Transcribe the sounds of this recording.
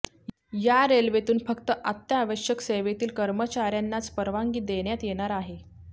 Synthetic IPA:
jaɾelʋet̪uːnfəkt̪əʔat̪jaːʋəɕjəkseʋet̪iːlkəɾmət͡ɕaɾjanːat͡spəɾʋaŋɡiːd̪eɳjat̪jeɽ̃aɾaɦe

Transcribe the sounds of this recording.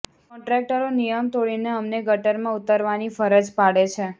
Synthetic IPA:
kɔ̃ɳʈɾɛk̚ʈəɾonijəmt̪oɭineəmneɡəʈəɾmãut̪əɾʋanifəɾəd͡ʒpaɽet͡ʃʰe

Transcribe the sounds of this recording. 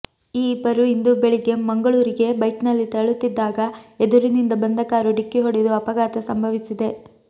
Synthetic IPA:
iːbɐɾuind̪ubeɭiɡe̞mɐŋɡɐɭuːɾiɡe̞bɐjt̪nɐlːit̪ɐɐɭut̪ːid̪ːaːɡɐed̪uɾinind̪ɐbɐnd̪ʱɐkaːɾuɖikːiɦoɽed̪uɐpɐɡaːt̪ɐsɐmbʱɐʋisid̪e̞

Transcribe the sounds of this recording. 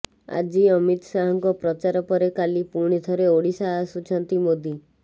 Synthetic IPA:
a̰d͡ʒiɔmit̪ɔsaɦɔŋkɔpɾɔt͡ʃaɾɔpɔɾekalipuɾɽ̃it̪ʰɔɾeoɽisasut͡ʃʰɔnt̪imod̪ʱi

